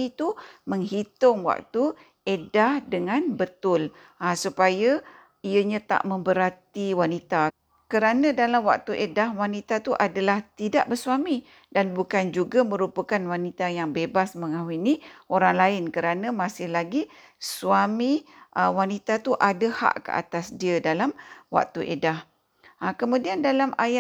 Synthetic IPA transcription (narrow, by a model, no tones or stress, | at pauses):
t̪uməŋɦit̪ʊŋwa̰k̚t̪u | edahdəŋãnbət̪ʊl | asupaja | iəɲãt̪a̰ʔmə̃mbəɾat̪iwanit̪a | kəɾanə̃dalamwa̰k̚t̪uʔedahwanit̪at̪uʔadalaht̪idaʔbərsuami | danbukand͡ʒuɡamə̃ɾupəkanwanit̪ajaŋbebasməŋaɦuiniʔoɾaŋlaɪnkəɾanə̃masɪhlaɡi | swamiʔəwanit̪at̪uʔadaha̰ʔkə̰a̰t̪asdiədalamwa̰k̚t̪uʔḛdah | əkəmũdiandalamaja